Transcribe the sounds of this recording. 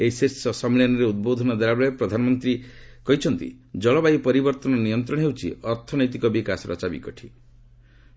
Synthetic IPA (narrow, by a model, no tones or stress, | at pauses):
eisisɔsɔmilɔnɔɾeud̪̚bod̪ʱɔnɔd̪aɾabɔɭepɾɔd̪ʱanɔmɔnt̪ɾi | kɔɦit͡ʃʰɔnt̪ḭ | d͡ʒɔɭɔbaipɔɾibɔɾt̪ɔnɔnijɔnt̪ɾɔɽɔɦewt͡ʃʰiɔɾt̪ʰɔnɔjt̪̬ikɔbikasɔɾɔ̰t͡ʃabḭkɔʈʰi